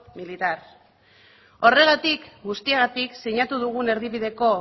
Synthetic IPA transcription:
milit̪aɾ | o̞re̞ɣat̪ikɡust̪ieɣ̞at̪iksiɲat̪uðuɣ̞une̞ɾðiβiðe̞ko̞

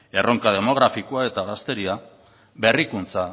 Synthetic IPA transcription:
e̞rʔo̞ŋkað̞e̞mo̞ɣ̞ɾafikoae̞t̪aɣast̪e̞ɾia | be̞rikunt͡sa

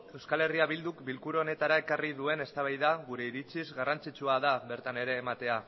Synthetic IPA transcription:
e̞wskale̞riaβild̪ukbilkuɾone̞t̪aɾae̞karið̞ue̞ne̞st̪aβ̞ajðaɣuɾe̞iɾit͡sizɣarant͡sit͡ʃuað̞aβe̞ɾt̪ane̞ɾe̞ːmat̪e̞a

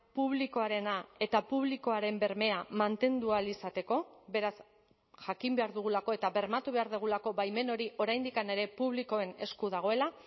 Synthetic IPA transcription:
puβliko̞aɾe̞nae̞t̪apuβliko̞aɾe̞mbe̞ɾme̞amant̪e̞nd̪ualisat̪e̞ko̞βe̞ɾas | ʝakimbe̞aɾðuɣ̞ulako̞e̞t̪aβe̞ɾmat̪uβe̞aɾðeɣ̞ulako̞βajme̞no̞ɾiʔo̞ɾajnd̪ikane̞ɾe̞puβ̞liko̞e̞ne̞skuðaɣ̞o̞e̞la

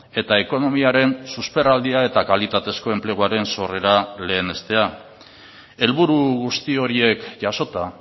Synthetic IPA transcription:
e̞t̪ae̞ko̞no̞miaɾe̞nsuspe̞rald̪iae̞t̪akalit̪at̪e̞sko̞e̞mple̞ɣ̞uaɾe̞nso̞re̞ɾale̞ːne̞st̪e̞a | e̞lβuɾuɣust̪io̞ɾie̞kʝaso̞t̪a

